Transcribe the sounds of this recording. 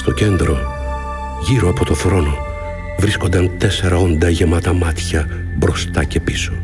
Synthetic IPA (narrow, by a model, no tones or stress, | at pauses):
st̪o̞ce̞nd̪ɾo̞ | ʝiɾoɐpo̞t̪o̞θɾo̞no̞ | vɾisko̞nd̪ɐnt̪e̞se̞ɾɐo̞nd̪ɐʝe̞mɐt̪ɐmɐt̪çɐ | bɾo̞st̪ɐce̞pi̥so̥